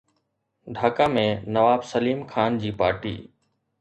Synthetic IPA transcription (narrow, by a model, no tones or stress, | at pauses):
ɖʱaːkaːmẽnɐʋaːbsɐliːmkʰaːnd͡ʑiːpa̰ːɾʈḭː